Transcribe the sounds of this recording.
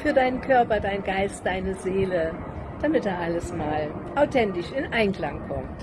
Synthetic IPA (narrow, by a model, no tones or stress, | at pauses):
fyːɐdaɪnənkʰœɐpɐdaɪnɡaɪstd̥aɪnəzeːlə | d̥amɪt̚eːɐʔaləsmaːlʔaʊtʰɛntɪʃɪnʔaɪnkl̥aŋkʰɔ̰mt